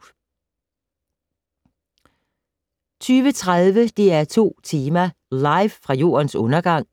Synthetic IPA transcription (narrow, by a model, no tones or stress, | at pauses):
t͡sʰyːʋət͡sʰʁaðˠʋəd̥e̝æɐt͡sʰo̝̰ːt͡sʰiːmɐ | lɑ̈ɪʋfʁɑ̈jo̝̰ːɐnsɔ̽nɐɡ̥ɑ̈ŋ̰